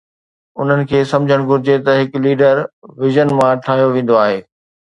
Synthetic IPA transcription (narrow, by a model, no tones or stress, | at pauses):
ʊn̤ənɪ̆kʰeːsɐ̃md͡ʑʱəɽ̃ɡʱʊɾɪd͡ʑet̪ɐɦɪkliːɖəɾʋɪʒənmãʈʰaːɦijoʋẽːn̆d̪oaːɦeː